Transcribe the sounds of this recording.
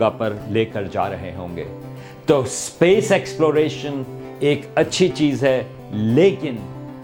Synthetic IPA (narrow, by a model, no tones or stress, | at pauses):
apɐɾleːkəɾd͡ʒa̰ːɾɐɦeɦõːŋɡḛː | t̪oːspeːsɛːksploːɾeːʃən | eːkɐtːʃʰit͡ʃiːzɦɛː | leːkɪn